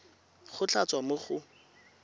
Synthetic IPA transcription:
χʊt͡ɬʰat͡swamʊχʊ

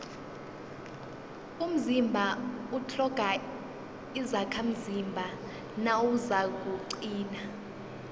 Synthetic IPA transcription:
um̩zimbʱautʰɔɡ̥ʱa | izakʰam̩zimbʱa | nawuzak̬ʼuǀiːna

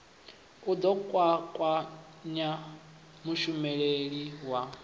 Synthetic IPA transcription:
ud̪ɔkʼwakʼwa | ɲa | muʃumɛɺeɺiwa

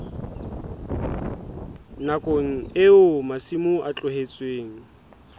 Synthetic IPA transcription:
nakʼoŋ̩ɪʊmasimʊʔat͡ɬʼʊɦet͡sʼweːŋ̩

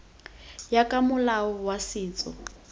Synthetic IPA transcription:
jakʼamʊlaɔwasiːt͡sʼɔ̰

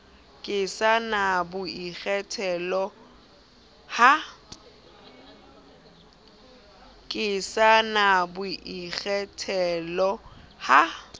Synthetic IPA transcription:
kʼɪsanabʊiɣɛtʰɛlɔ | ha | kʼɪsanabʊʔik͡xɛtʰɛlɔha

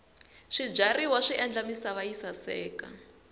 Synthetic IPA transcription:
ʂib͡ʐariwaʂiʔɛnd͡ɮamisaβajisasɛːka̰

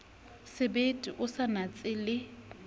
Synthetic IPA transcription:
sɪbetʼiʔʊsanat͡sʼɪlɪ

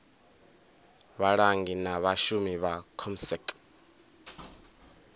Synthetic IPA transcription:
βaɺaŋɡinaβaʃumiβakʰɔmsɛkʼ

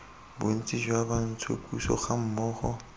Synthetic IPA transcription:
bʊn̩t͡sʼid͡ʒwaban̩t͡sʰʊ̰kʼusɔ̰χam̩mɔːχɔ

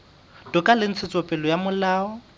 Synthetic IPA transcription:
d̥ʊkʼalɪn̩t͡sʰɪt͡sʼɔpʼɛlɔjamʊlaːɔ

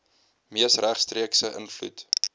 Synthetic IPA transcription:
miəsræχstriəksəʔə̰nflṵt

